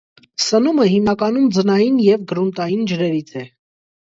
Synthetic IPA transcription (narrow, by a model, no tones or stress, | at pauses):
sənuməɦimnɑkɑnumd͡zənɑjinjɛvɡəɾunt̪ɑjind͡ʒəɾɛɾit͡sʰɛ